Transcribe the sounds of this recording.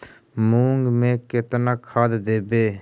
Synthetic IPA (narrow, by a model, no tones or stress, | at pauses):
muːŋɡmẽːkɪt̪naːkʰaːd̪d̪eːbeː